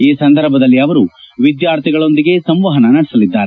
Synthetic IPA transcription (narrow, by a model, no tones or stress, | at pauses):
iːsɐnd̪ɐɾbʱɐd̪ɐlːiɐʋɐɾuʋid̪jaːɾt̪ʰiɡɐɭo̞nd̪iɡe̞sɐmʋaːɦɐnɐnɐɽɛsɐlid̪ːaːɾe